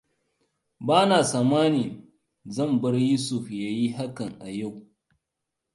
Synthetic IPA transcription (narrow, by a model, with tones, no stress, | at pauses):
baː˦naː˨saː˨maː˦niː˨ | zɐ˦˨mbɐ˦rjuː˦sʊ˨ɸjaː˦ji˦ɦa˦kɐ˨ŋʔa˨ja˦˨w